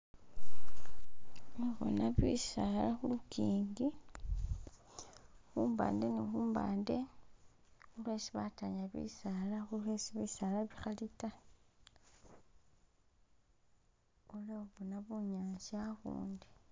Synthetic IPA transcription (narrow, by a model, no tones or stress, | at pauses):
oβo̰naβḭsalaxulukiːŋɡi | xuːmba̰ːnde̞nixuːmba̰ːnde̞ | xulwe̞ːsiβataɲaβḭːsalaxulwe̞siβisaːlaβixalita | oleoβonaβuɲaːɲsaxṵːndi